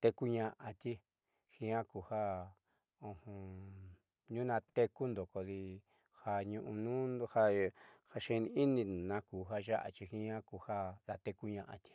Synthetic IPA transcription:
t̪e˧ku˦ɲã˧ʔã˧t̪i˦ | hĩ˧˦ã˦ku˨ha˦ | õ˧hõ˧ | ɲũ˦nã˧t̪e˧ku˦nd̪o˨ko˧ði˧ | ha˧ɲũ˧ʔũ˧nũ˦˧ha˧ha˧ʃẽ˧˦˧nĩ˧i˦nĩ˧˨nã˧ku˨ɦa˧ʒa˦ʔa̰˨t͡ʃi˧hĩ˦ã˦ku˧ha˦ða˧t̪e˧ku˦ɲã˧ʔa̰˧t̪i̥˧

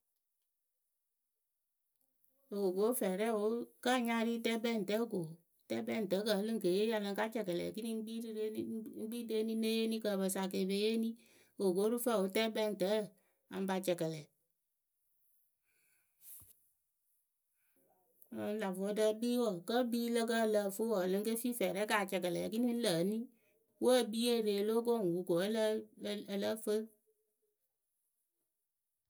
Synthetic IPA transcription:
o˨ɡo˦fɛ˨ɾɛ˦˨wo˨˦ka˦˨ɲa˧˦ɾi˦tɛ˦bɛ˦˨n̩˨tə˨˦ko˨ | tɛ˦bɛ˦˨n̩˨tə˨˦kə˨˦lɨ˦ŋ̩˦ke˨je˦a˧lə˧ŋ̩˦ka˦t͡ʃɛ˨kɛ˨lɛ̰˨ki˦ni˦i˦ɡ͡biː˦de˦ni˦ne˦je˦ni˦kə˧˨bə˨sa˨k̬e˨be˨˦je˦nĩ˦ | o˨ɡo˦ɾu˦fɛ˦˨o˨˦tɛ˦bɛ˦˨n̩˨tə˨˦˨ | a̰˨m˦ba˧t͡ʃɛ˨kɛ˨lɛ˨˦ | la˨vɔ˨˦də˧˦biː˦wɔ˨kə˦biː˦lə˦k̬ə˦˨lə˧˨fo˦wɔ˨lɨ˨˦ŋ˦ke˦fi˦fɛː˨ɾɛ˨˦kaː˨t͡ʃɛ˨kə˨lɛ˨ki˦ni˦lə˨˦ni˦ | wə˦˨bi˦e˦˨ɾe˨lo˦k̬o˦˨ŋ˨wu˨ko˨˦llə˦fə˦

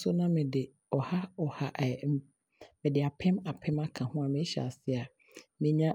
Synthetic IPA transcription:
sʊ˦nã˦mɪ̃˨dɪ˨ | ɔ˨ha˦ɔ˨ha˨ʔ | mɪ̃˨dɪ˨a˨pʰɛ̃˦ma˨pʰɛ̃˦ma˦kʰã˨hʊ̃˦a˨mɪ̃˦ɕɛ̰˨a̰˨sɪ˦a˨ | mɪ̃˨ɲã˦

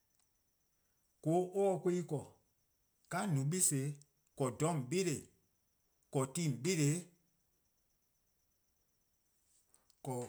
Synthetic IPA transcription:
ko˨˦ʔɔː˦˨kʷe˦i˦kɔ˨ | ka˨˦nũ˨˦ɓi˦se˨˦ | kɔ˨dɔ̃˨˦m˨ɓe˦ɾe˨ | kɔ˨tĩ˦˨m˨ɓe˦ɾe˨˦ | kɔ˨

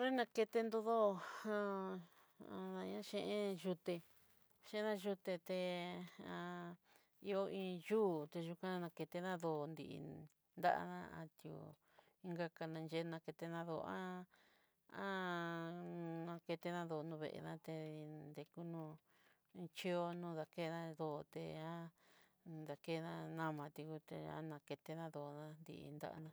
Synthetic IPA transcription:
ɾe˦nã˧ke˧t̪e˧nd̪o˧ðo˦˧ã˦ | ã˧nã˧ɲã˦ʃẽ˧ʔẽ˦ʒu˧t̪e˧ | ʃẽ˦˧ã˦ʒu˧t̪e˧t̪e˧ã˧ | i˧o˧ʔĩː˧juː˦˨t̪e˧ʒu˧kã˧nã˧ke˧t̪e˧ðã˦ðo˧˨nd̪ḭ˧ʔ | nd̪a̰˦ʔa̰˧ðã˦a̰˧t̪jṵ˧˨ | i˧˦ŋɡa˦ka˧nã˧nd͡ʒe˦˧nã˧ke˧t̪e˧nã˧ðo˧ã˦ | ã˦ | nã˧ke˧t̪e˧nã˦ðo˧˨˧nũ˧βḛ˨ʔḛ˧nã˦t̪e˧nd̪e˧ku˦nũ˧ | t͡ʃi˦o˦nũː˦ða˧ke˦˧nã˧ðo˧˨˧t̪ḛ˧ã˦ | ða˨ke˦˧nã˧nã˦mã˧t̪i˧ku˧t̪ḛ˧ã̰˦nã˧ke˧t̪e˧nã˦ðo˧˨˧nã˦nd̪ḭ˧ʔḭ˧nd̪a̰˦ʔa̰˧nã˦˧

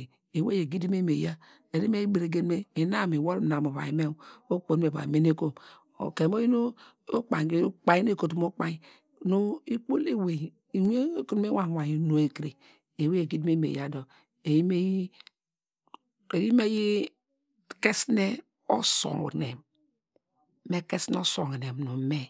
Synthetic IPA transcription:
e˨we˦je˨ɡi˦di˦me˦me˨ja˦ | e˨ɾi˦me˦i˦be˨ɾe˨ɡe˦dme˦e˨na˦˨me˨wo˦lna˨mo˨βa̰˨i˨˦me˦o˦k͡po˨n˦e˨ba̰˨me˦ne˦ko˦m | o̰˨ke˨m˦o˦ji˦no˦ | o˦k͡pa˨˦k͡pa˨ji˦n˦e˦˨ko˨tu˦mo˦k͡pa˦ji˦ | no˦i˦k͡po˦le˦we˨ | i˨wʷku˦ɾme˦wa˨wa˨ji˦no˨e˨kɾi˨ | e˨we˦e˨ɡi˦dme˦mḛ˨ja˨do˨ | e˨ji˦me˦ji˦ | e˨ji˦me˦ji˦ | ke˦sne˦ | o̰˦so̰˨ŋo̰˨ne˨m | e˦ke˦sn˦o˦so˨ŋo˨ne˨mnu˨me˦

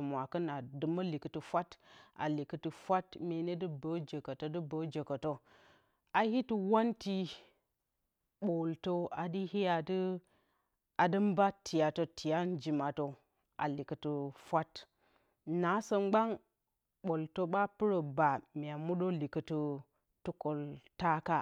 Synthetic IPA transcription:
mʷ˨a˨kɐ˦na˨dɨ˨mɐ˦li˨kə˨tu˨fʷa˦ta̰˨li˨kə˨tɨ˨fʷa˦tme˨ne˦dɨ˦bə˨˦d͡ʒə˨kə˨to˦dɨ˦bə˨d͡ʒə˨kə˨to˦ | a˨hi˦ti˨wa˦nti˦ | ɓo˨lto˦a˨di˦hi˦ja˨dɨ˦ | a˨dɨ˦mba˦tʰi˨ja˨to˨tʰi˨ja˦n˦d͡ʒi˨ma˨to˨ | a̰˨li˨kə˨tu˨fʷa˦t | na˨˦sə˦mɡ͡ba˦ŋ | ɓo˨lto˦ɓa˦pɨ˦ɾə˨ba˨mi˨a˨mu˦ɗo˦li˨kə˨tu˦ | tu˦ko˨lta˦ka˦

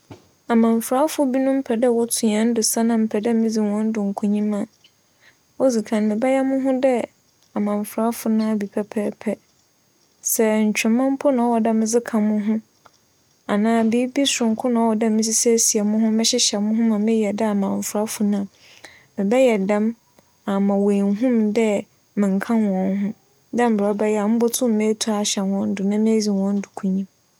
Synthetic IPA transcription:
a˨mã˨ɱ˨fɾa˦fʊ˦bi˦nʊ̃˦m̩˦pʰɛ˨dɛ˦wɔ˦tʰũ˨ã˨˦n̩˦dʊ˨sa˦nã˨m̩˨pʰɛ˨dɛ˦mɪ̃˦d͡zi˨wɔ̃˨˦n̩˦dʊ˨ŋ̩˨kʰʊ˦ɲĩ˦mã˨ | ɔ˦d͡zi˨kʰã˨nmɪ̃˨bɛ˦jɛ˦mʊ̃˦ɦʊ̃˦dɛ˦ | a˨mã˨ɱ˨fɾa˦fʊ˨nã˦a˨bi˨pʰɛ˦pʰɛː˦pʰɛ˦ | sɛ˨ɲ̩˨t͡ɕᶣɪ˨mã˦m̩˦pʰʊ˦nã˨ɔ˦wɔ˨dɛ˦m˨˦d͡zɪ˦kʰã˨mʊ̃˦ɦʊ̃˦ | a˨nãː˦bi˦bi˦sɾʊ̃˨ŋ˦kʰʊ˦nã˨˦ɔ˦wɔ˨dã˦m˦d͡zi˦sɛ˦si˨ɛ˨mʊ̃˦ɦʊ̃˦mɪ̃˦ɕɛ˦ɕɛ˨mʊ̃˦ɦʊ̃˦mã˨mɪ̃˦jɛ˨da˦a˨mã˨ɱ˨fɾa˦fʊ˨nã˦˨ | mɪ̃˨bɛ˦jɛ˨dã˦m | a˨mã˨wẽ˨nɦũ˦mdɛ˦ | mɪ̃˨ŋ˨kʰã˦nwɔ̃˨n˦ɦʊ̃˦ | dã˦m̩˨bɾɔ˨˦bɛ˦jɛ˦˨a˨m̩ʊ̃˦bɔ˦tʰʊ̃˦mː˨ẽ˦tʰu˦a˨ɕɛ˨nwɔ̃˦n̩˦dʊ˨nã˦mɪ̃˦d͡zi˨wɔ̃˦n̩˦dʊ˨kʰũ˦ɲĩ˦m

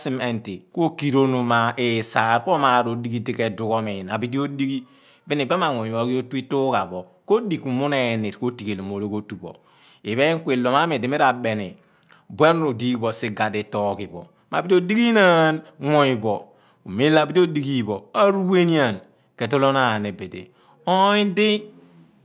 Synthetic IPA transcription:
si˦me˨nti˨ko˦ki˨ɾo˦no˨ma˨e˨sa˨ɾko˦ma˨ɾo˨di˦ɡi˦ti˦ke˨du˨ko˦mi˨na˨bi˦di˦o˦di˦ɡi˦ | bi˦ni˨ba˦ma˨ŋo˨i˨bo˨ki˦o˦tu˦i˦tu˦ka˨bɔ˨ | ko˦di˨ku˨mu˦ne˨ni˨tko˦ti˨ke˨lu˨mo˨ɾo˦ko˦tu˨bo̰˨ | i˨βe˦ŋ˦kʷe˨lo˨ma˦mi˨di˨mi˦ɾa˨be˨nḭ˨ | bwe˦n˦ɾo˨di˦bo˨si˦ɡa˨de˨tɔ˦ki˨bɔ̰˨ | ma˨bi˦do˦di˦ɡi˦na˦nŋo˨i˨bɔ˨ | u˨me˦la˨bi˦ti˦o˦di˨ki˦˨bo˨a˦ɾu˦we˦ni˦a˨n | ke˨to˦lo˦na˦˨ne˨be˨dḛ˨ | o˦i˦n˦di˦

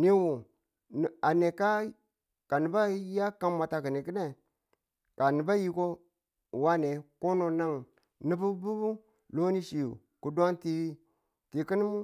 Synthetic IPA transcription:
ni˦wu˨ | a˨ne˨ka˦ | ka˨ni˨ba˦ja˦ka˦mma˨ta˨ki˨ni˨ki˦ne˦˨ | ka˨ni˨ba˦ji˦ko˦˨ | wa˦ne˨ko˦no˨na˦ŋ | ni˦bu˦bu˦bu˦ | lo˦ni˦ʃi˨ṵ˨ | ku˨dwa˦ŋti˦ | ti˨ki˦ni˦mu˦

